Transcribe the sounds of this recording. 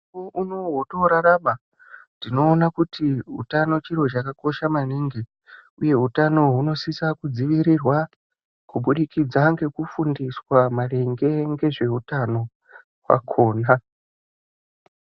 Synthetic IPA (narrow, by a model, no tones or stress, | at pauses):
oʔuno̞ɦoto̞ɾaɾama | ndino̞ːnakutʰiɦṵtano̞t͡ʃiɾo̞t͡ʃakako̞ʃamaniŋɡe | uje̞ɦutano̞ɦuno̞sisakud͡ziʋiɾirwa | kuɓuɗikid͡zaŋɡe̞kufundiswamareŋɡe̞ŋɡe̞ʐe̞ɦutano̞ | wa̰kʰo̞ːna